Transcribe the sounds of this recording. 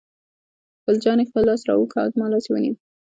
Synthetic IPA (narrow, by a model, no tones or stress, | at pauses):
xpəld͡ʒɑnexpəlːɑsɾɑ̰wəkɑ̰zmɑlɑsewə̰nḭwi